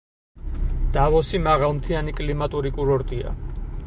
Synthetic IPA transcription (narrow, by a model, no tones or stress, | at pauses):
d̪̥avɔsimaʁalˠmt̪ʰianikʼlimat̪ʼuɾikʼuɾɔɾt̪ʼia̰